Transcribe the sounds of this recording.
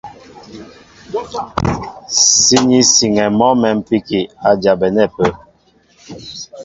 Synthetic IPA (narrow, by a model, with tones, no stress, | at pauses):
si˦ɲi˦si˨ŋɛ˨mɔ˦mɛ˨m̩˦pi˦ki˨a˨d͡ʒa˨bɛ˨nɛ˦˨pə˦